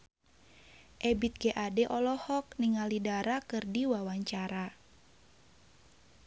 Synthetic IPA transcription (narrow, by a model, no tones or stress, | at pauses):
ʔɛbit̪̚ɡɛʔadɛʔɔlɔhɔk̚niŋalidaɾakɨrdiwawaɲt͡ʃaɾa